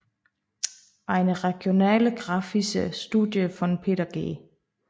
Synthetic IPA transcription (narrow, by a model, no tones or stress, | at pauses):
ʔɑ̈ɪnəʁɛɡ̥jo̝nɛ̰ːləɡ̥ʁɑ̈ːfisəsd̥uðˠjəfɒ̽npʰe̝̰ːɾɐɡ̥e̝̰ː